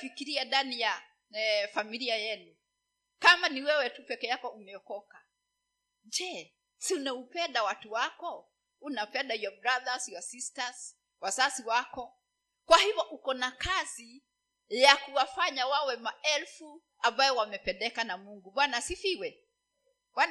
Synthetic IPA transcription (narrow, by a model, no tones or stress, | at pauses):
fikiɾiadanija | familiajɛnu | kamaniwɛwɛtupɛkɛjakɔumɛɔkɔka | d͡ʒɛ | siunaupɛndawatuwakɔ | unapɛndajwabɾaðasiwasistaz | wasasiwakɔ | kwahivɔʔukɔnakazi | jakuwafaɲawawɛmaɛlfu | ambajɔwamɛpɛndɛkanamuŋɡuɓwanasifiwɛ | ɓwan